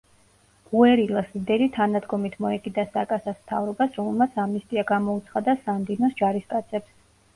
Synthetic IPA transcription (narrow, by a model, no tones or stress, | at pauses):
uɛɾilˠasid̪ɛnit̪ʰanad̪ɡɔmit̪ʰmɔɛkʼid̪asakʼasasmt̪ʰa̰vɾɔbasɾɔmɛlˠmat̪sʰamist̪ʼiaɡamɔut̪sʰχad̪asand̪inɔsd͡ʒaɾiskʼat̪sʰɛps